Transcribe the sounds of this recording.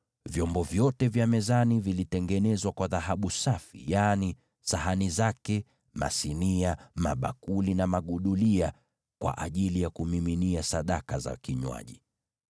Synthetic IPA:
vjɔmbɔvjɔtɛvjamɛzanivilitɛŋɡɛnɛzwakwaðaɦaɓusafḭjani | saɦanizakɛ | ma̰siniama̰ɓa̰kulinamaɠuɗulia | kwa̰ʔaʄilijakumiminiasaɗakaza̰kiɲwa̰ʄḭ

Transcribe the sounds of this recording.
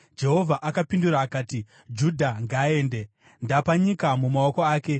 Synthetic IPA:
d͡ʒe̞ɦo̞vʱaʔakapinduɾaːkaːti | d͡ʒudʱaŋɡaːe̞ːnde̞ | ndapaɲikamumao̞ko̞aːke̞

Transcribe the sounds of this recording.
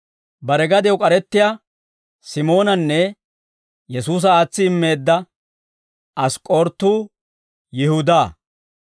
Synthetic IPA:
bɐɾɛɡɐd̪ɪjokʼɐɾɛt̪ːɪja | sɪmo̞ːnɐnːɛ | jɛsuːs̬ɐaːt͡sːɪːmːe̞ːd̪ːɐ | ɐskʼoːɾt̪ːuː | jɪhʊd̪aː

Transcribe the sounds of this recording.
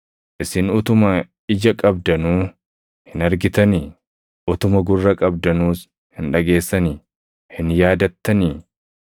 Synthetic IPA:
ʔɪsɪnʊt̪ʊmɐ | ɪd͡ʒɐkʼɐbd̪ɐnuː | hɪnɐɾɡɪt̪ɐni | ʔʊt̪ʊmɐɡʊrːɐkʼɐbd̪ɐnuːs | hɪnᶑɐɡe̞ːsːɐni | hɪnjaːd̪ɐt̪ːɐniː

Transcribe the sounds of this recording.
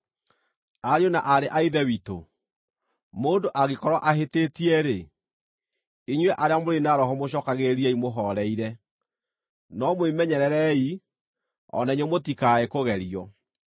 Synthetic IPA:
aɾjonaʔaɾeʔaiðɛwito̰ | moːndoʔaɣekɔɾwɔʔaɦetetiɛɾe | iɲwɛʔaɾeamoɾenaɾɔɦɔmoɕɔːkaɣeɾiɛimoɦɔɾɛiɾɛ | nɔmwemɛɲɛɾɛɾɛi | ɔ̰naɲomotikaekoɣɛɾiɔ

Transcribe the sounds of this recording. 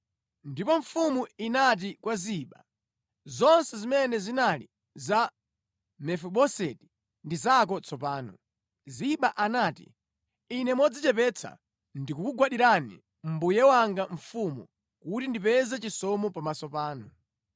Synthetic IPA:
ndipɔɱfumuinat̬ikwaziɓa̰ | zɔnsɛzimɛnɛzinalḭ | za | mɛfuɓɔsɛti̥ | ndizak̬ɔt͡sʰɔpaːnɔ | ziɓaʔanaːtḭ | inɛmɔd͡zit͡ʃɛpɛt͡sʰa̰ | ndikukuɡwaɗiɾanḭ | m̩bujɛwaŋɡaɱ̩fumṵ | kutindipɛzɛt͡ʃisɔmɔpamasɔpaːnɔ

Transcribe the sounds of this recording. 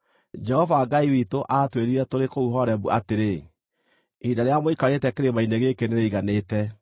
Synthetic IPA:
d͡ʒɛhɔvaːɡaiwitoʔatweɾiɾɛtoɾekouɦɔɾɛbuʔateɾe | idaɾeamoikaɾetɛkeɾemaineɣekeneɾeiɣaneːtɛ

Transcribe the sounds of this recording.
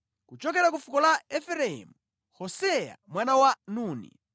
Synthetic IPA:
kut͡ʃɔk̬ɛɾak̬ufukɔlaɛfɛɾɛɛ̰mu | hɔsɛja̰mwanawanuːnḭ

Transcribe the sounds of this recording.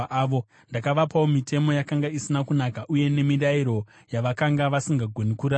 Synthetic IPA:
ʋo | ndakaʋapawomitʰe̞mo̞jakaŋɡaisinakunakaʔuje̞ne̞miɾaiɾo̞ | jaʋakaŋɡaʋasiŋɡaɡʱonikuɾa

